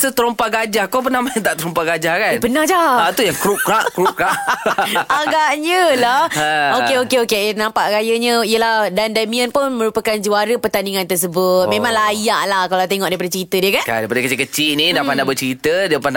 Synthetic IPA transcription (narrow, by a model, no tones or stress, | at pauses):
sət̪əɾompaʔɡad͡ʒahkop̬ərnahmajət̪aʔt̪əɾɔmpaʔɡad͡ʒahkanbənad͡ʒaat̪ujaŋkɾuʔkɾaʔkɾukaʔ | aɡaʔɲə̃lahokeokeokeenampaʔkajəɲə̃iəlahdandamĩənpʊnmə̃ɾupəkand͡ʒuaɾəpərt̪aniŋãnt̪ərs̬əbʊt̪̚mẽmãŋlajaʔlahkalawt̪eŋɔʔdajp̬adat͡ʃəɾit̪ədiəkanka̰dajpadəkət͡ʃikət͡ʃiʔnĩdapandabət͡ʃəɾit̪ədiəpanda